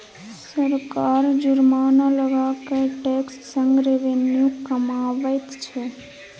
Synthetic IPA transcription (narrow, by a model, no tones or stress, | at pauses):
səɾkaɾd͡ʒʊɾmaːnaləʋakeʈekssəŋɡɾeʋenjukːəmaʋət̪t͡ʃʰe